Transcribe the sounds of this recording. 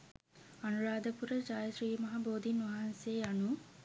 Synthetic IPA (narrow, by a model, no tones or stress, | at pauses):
anuɾaːd̪əpuɾəd͡ʒaːjəsriːmɐɦaboːd̪inʋaɦanseanu